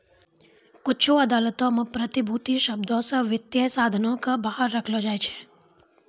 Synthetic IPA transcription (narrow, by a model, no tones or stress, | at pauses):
kʊt͡ʃʰuəd̪alət̪omãpɾət̪ibʱut̪iʃəb̚d̪osəʋɪt̪jəsad̪ʱənõkəbəɦaɾːəkʰlod͡ʒajt͡ʃʰe̥